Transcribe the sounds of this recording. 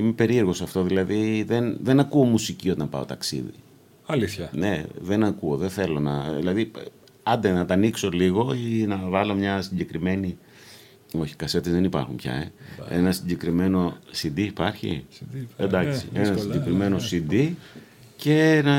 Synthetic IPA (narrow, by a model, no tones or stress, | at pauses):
ime̞pe̞ɾieɾɣo̞sɐft̪o̞ðilɐðiðenðe̞nɐkuo̞musicio̞t̪ɐmpɐ̰o̞̰t̪ɐksḭðḭ | ɐliθçɐne̞ðe̞nɐkuoðe̞θe̞lo̞nɐðḭlɐði | ɐnd̪enɐt̪ɐnikso̞liɣo̞inɐvɐlo̞mɲɐsiɲɟe̞kɾime̞ni | o̞çi̥kɐse̞t̪e̞zðe̞nipɐ̰ɾxumpçɐ̰eḛnɐsiɲɟe̞kɾime̞no̞sid̪iːpɐɾçḭend̪ɐksienɐsiɲɟe̞kɾime̞no̞sid̪i | ce̞nɐ